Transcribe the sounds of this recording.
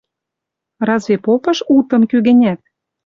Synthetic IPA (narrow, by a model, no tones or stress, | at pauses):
rɑzvʲepopɤ̆ʃut̪ɤ̆mkyɣɘ̆nʲæt̪̚